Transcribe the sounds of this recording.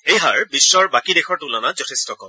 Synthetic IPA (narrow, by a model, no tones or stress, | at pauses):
ejɦaɹbisːɔɹbakidɛxʰɔɹtulanazɔtʰestɔkɔm